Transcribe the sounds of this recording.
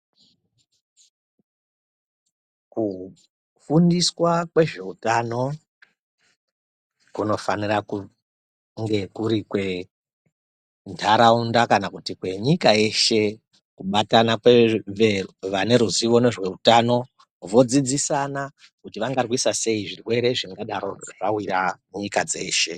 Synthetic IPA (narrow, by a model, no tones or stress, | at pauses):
ku | fundiswakwe̞ʐe̞utano̞ | kuno̞faniraku | ŋɡe̞kuɾikwe̞ | ntʰaɾaundakanakutikwe̞ɲikae̞ʃe̞ | kuɓatanakeeʋane̞ɾuziʋo̞ne̞ʐwe̞utano̞ | ʋo̞d͡zid͡zisana | kutiʋaŋɡarwisase̞iʐirwe̞ɾe̞ʐiŋɡaɗaɾo̞ʐ̥awira | ɲikad͡zeːʃe̞